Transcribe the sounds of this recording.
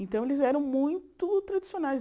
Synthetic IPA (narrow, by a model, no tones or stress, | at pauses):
ẽnt̪ɐ̃w̃elɪzɛɾɐ̃w̃mũj̃t̪ʊt̪ɾad̪isionajz